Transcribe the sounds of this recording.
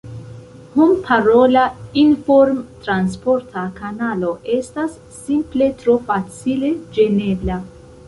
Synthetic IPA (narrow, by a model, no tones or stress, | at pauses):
humpʰaɾolainfoɾmtɾans̬po̞ɾtʰakanalo̞ʔe̞stasːimple̞tɾofat͡sile̞d͡ʒe̞ne̞bla